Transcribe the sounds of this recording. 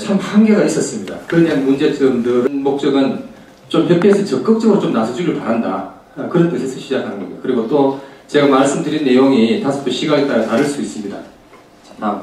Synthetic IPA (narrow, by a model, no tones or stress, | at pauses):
t͡ɕʰamhaŋɡe̞ɡais͈ʌs͈ɯmɲida̰kɯɾʌdeanmund͡ʑe̞t͡ɕ͈ɯmdɯɾɯnmok̚t͡ɕ͈ʌɡɯn | t͡ɕomçjʌp͈iɦesʰʌt͡ɕʌk̚k͈ɯk̚t͡ɕ͈ʌɡɯɾot͡ɕomnasʰʌd͡ʑuɡiɾɭpaɾɦanda̰ | kɯɾʌt͈esʰesʰʌ̥ɕʰid͡ʑakʰanɯnɡʌɡ̰jokɯɾiɡot͈ot͡ɕe̞ɡamaɭs͈ɯmdɯɾinːe̞joŋitasʰo̥tʰeɕʰiɡaɡet̚t͈aɾataɾɯɭs͈udois͈ɯmɲida̰ | a